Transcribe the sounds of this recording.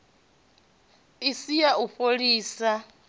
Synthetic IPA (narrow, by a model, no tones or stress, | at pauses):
isijauɸoɺiːsa